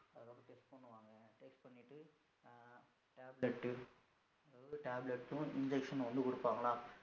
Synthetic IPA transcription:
ɐɾokːeʈːeksponːuʋaːŋɡɐʈekspɐnːiʈːɨ | ʈaːbleʈːɨ | ɐʈaːblɐʈːuind͡ʑekʂɐnnoːnːukoɽupːaːŋːɐɭaːm

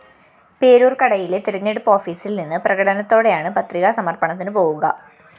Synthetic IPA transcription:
pe̞ːɾuːrkɐɽɐjilet̪iɾɐɲːeɽupːo̞ːfiːsilninːɨprɐɣɐɽɐnɐt̪ːo̞ːɽe̞jaːɳɨpɐt̪riɣɐsɐmɐrpɐɳɐt̪̬ːinɨpo̞ːɣuɣɐ̰

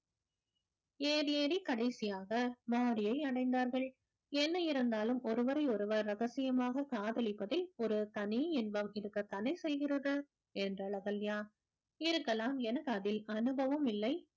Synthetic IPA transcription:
eːɾɪjeːɾikɐɽɐɪsɪjaːɣɐmaːɽɪjɐɪɐɽɐɪnd̪aːɾɣɐɭ | ɛnːɐɪɾɯnd̪aːlɯmɔɾɯʋɐɾɐɪɔɾɯʋɐɾːɐɣɐsɪjɐmaːɣɐkaːðɐɭɪpːɐðɪlɔɾɯt̪ɐniɛnbɐmɪɾɯkːɐt̪ːɐnɐɪsɛjɣɪrɐðɯ | ɛndrɐlɐɣɐljaː | ɪɾɯkːɐlaːmɛnɐkaːðɪlɐnɯbɐʋɐmɪlːɐɪ

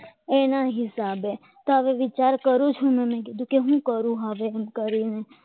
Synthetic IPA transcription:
eːnaɦɪsaːbe | t̪oaʋeʋɪt͡ʃaːɾkəɾut͡ʃʰũmɛ̃mẽked̪ukeɦũkəɾũɦaʋemkəɾine

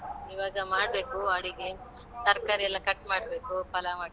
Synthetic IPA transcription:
iʋaːɡɐmaːɽbeːkuaɽiɡe | t̪ɐɾkaːɾiɐlːɐkɐʈːmaːɽbeːkupɐlamaːɽ

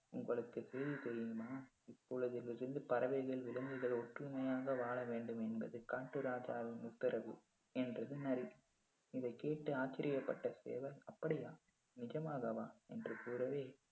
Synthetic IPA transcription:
ʊŋɡɐɭɯkːɯsɛjðisɛɾjɯmaː | ɪpːɔɭɯðɪlɪɾɯnd̪ɯpɐɾɐʋɐɪɣɐɭʋɪlɯnd̪ɯɣɐɭɔʈrɯmɐjaːɣɐʋaːɭɐʋeːɳɖɯmɛnbɐ̰ðɯkaːʈːɯɾaːd͡ʒaːʋɪnmʊt̪ːɐɾɐʋɯ̰ | ɛndrɐðɯnɐɾi | ɪðɐɪkːeːʈːɯaːt͡ʃːɪɾʔɪjɐpːɐʈːɐsḛːʋɐlɐpːɐɽɪjaː | nɪd͡ʒɐmaːɣɐʋaːɛndrɯkuːɾɐʋeː

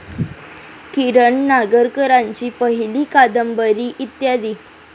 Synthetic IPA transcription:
kiɾəɳːaɡəɾkəɾaɲt͡ɕiːpəɦiliːkad̪əmbəɾiːʔit̪jad̪iː

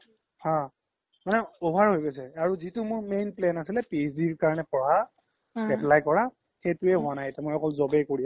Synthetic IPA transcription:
hã | manɛɔbʱaɹɦojkosɛaɹuzitʊmʊɹmejnplɛnasilɛpesdiɹkaɹɔnɛpɔɹa | ɛplajkɔɹa | xetʊɛɦʊanajetɛmojɔkɔlzɔbɛjkoɹiɛ

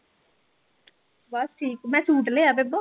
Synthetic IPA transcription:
bɔsʈʰiːkːmɛ̃ːsuːʈ̬leːaːbebo

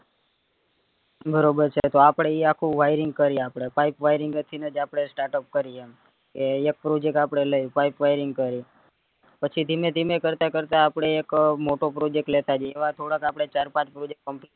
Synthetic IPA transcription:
bəɾobəɾt͡ʃʰet̪oapɽ̃eiakʰũʋajɾiŋɡ̚kəɾiapɽ̃epaipʋajɾiŋɡət̪ʰinəd͡ʒapɽ̃esʈaɾʈəp̚kəɾiem | keek̚pɾod͡ʒek̚ʈapɽ̃eləjupaipʋajɾiŋɡ̚kəɾi | pət͡ʃʰit̪imẽt̪imekəɾt̪akəɾt̪aːpɽ̃eːkmoʈopɾod͡ʒek̚ʈlet̪ad͡ʒeeʋat̪ʰoɽakapɽ̃et͡ʃaɾpãt͡ʃpɾod͡ʒek̚ʈ̚kəmpl

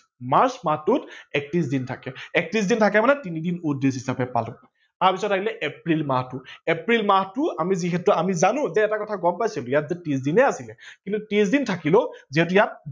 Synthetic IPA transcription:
maɹsmatʊtɛk̚tis̬dintʰakɛɛk̚tis̬dintʰakɛmanɛtinidinudesɦisapɛpa̰lʊ̰ | taɹpisɔtʰːaɦilɛʔepɹilmatʊepɹilmatʊamiziɦɛtuamizanʊ̃zɛːtakɔtʰaɡɔmpajsilʊjatzɛtisdinɛasilɛkĩntutis̬dintʰakilɔziɦɛt̬ʊjat̚

